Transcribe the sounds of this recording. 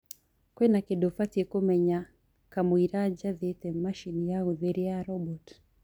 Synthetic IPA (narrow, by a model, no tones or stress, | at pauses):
kwɛnakedofatekomɛɲa | kamwiɾad͡ʒaðetɛmaʃinjauðeɾiaɾɔbɔt